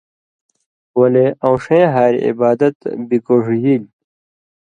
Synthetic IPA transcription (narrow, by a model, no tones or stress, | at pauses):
wɐleãwʂẽɦaːɾḭḭbaːd̪ɐt̪bikoʐjil